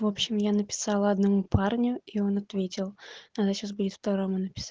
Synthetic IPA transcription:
vo̞pɕːɪmjanəpʲɪ̥sɑlˠəɐd̪nɐmuparnʲʊio̞nɐt̪vʲetʲɪlˠnad̪əɕasbudʲɪt̪fpɾɐɡɾamːʊnəpʲɪ̥sa

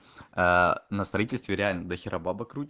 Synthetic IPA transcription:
nəst̪ɾɐitʲɪlʲst̪vʲɪɾʲɪalʲnəd̪əxʲɪɾʔɐbabəkɾutʲ

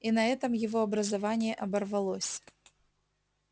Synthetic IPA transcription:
inɐɛt̪ɐmjɪvɔɐbɾɐzavanʲɪjɛʔɐbɐrvalˠɔsʲ

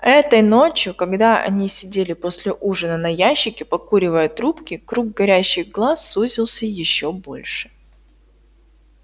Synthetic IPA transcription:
ɛt̪əjno̞t͡ɕjʊkɐɡd̪aɐ̰nʲisʲɪdʲelʲɪpo̞sʲlʲɪʔuʐɨnənɐjæɕːɪkʲɪpɐkuɾʲɪvəjət̪ɾupkʲɪkɾuɡ̚ɡɐɾʲæɕːɪɣɡlˠasːuzʲɪlˠsʲəjɪɕːobo̞̰lʲʂɨ̥

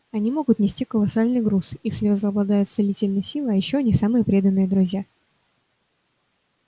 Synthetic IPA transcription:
ɐnʲimo̞ɡʊt̪nʲɪsʲtʲikəlˠɐsalʲnɨjɡɾusjesʲlʲɪvəzlˠəɐblˠɐd̪ajʊt̪sɨlʲitʲɪlʲnəjəsʲilˠɨɐjɪɕːoɐnʲisamɨjəpɾʲe̞d̪ənːɨjəd̪ɾʊzʲja

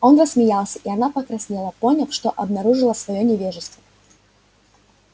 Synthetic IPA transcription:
o̞nrəssmʲɪjalˠsʲəʔɪɐnapəkɾɐsʲnʲelˠəpo̞nʲɪfʂt̪o̞ʔɐbnɐɾuʐɨlˠəsvɐjonʲɪvʲeʐɨst̪və

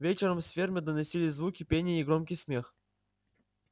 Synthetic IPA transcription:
vʲet͡ɕɪɾəmsfʲermʲɪd̪ənɐsʲilʲɪzvukʲɪpʲenʲɪjːɡɾomkʲɪjsmʲe̞x

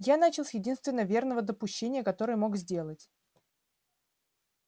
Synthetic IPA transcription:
janat͡ɕɪlˠsʲjɪdʲinst̪vʲɪnːəvʲe̞rnəvəd̪əpʊɕːenʲɪjəkɐt̪o̞ɾɨjəmo̞kzʲdʲe̞lˠətʲ

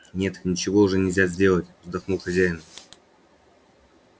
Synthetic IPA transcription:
nʲe̞t̪nʲɪt͡ɕɪvo̞ʊʐɛnʲɪzʲazʲdʲe̞lˠətʲvzd̪ɐxnuxɐzʲæjɪnʊ

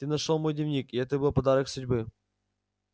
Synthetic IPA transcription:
t̪ɨnɐʂolˠmojd̪ʲɪvʲnʲikiɛt̪əbɨlˠpɐd̪ɑɾəksʊdʲbɨ

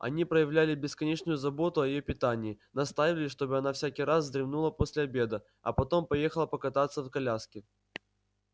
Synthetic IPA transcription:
ɐ̰nʲipɾəjɪvlʲælʲɪbʲɪskɐnʲet͡ɕnʊjʊzɐbo̞t̪ʊɐjɪjopʲɪt̪anʲɪː | nɐst̪ajɪvʲɪlʲɪʂt̪o̞bɨɐnafsʲækʲijɾas̬zd̪ɾʲɪvnulˠəpo̞sʲlʲɪɐbʲe̞d̪ə | ɐ̰pɐt̪o̞mpɐje̞xəlˠəpəkɐt̪at̪sːəfkɐlʲaskʲɪ

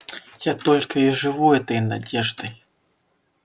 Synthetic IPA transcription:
jat̪ɔlʲkɐiʐɨvuɛt̪ɐjnadʲɛʐd̪ɨj

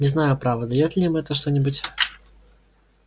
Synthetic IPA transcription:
nʲɪznajʊpɾavəd̪ɐjot̪lʲɪimɛt̪əʂt̪onʲɪbʊtʲ

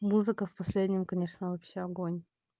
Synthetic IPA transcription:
muzɨkəfpɐsʲlʲedʲnʲɪmkɐnʲeʂnəvɐpɕːeɐɡonʲ

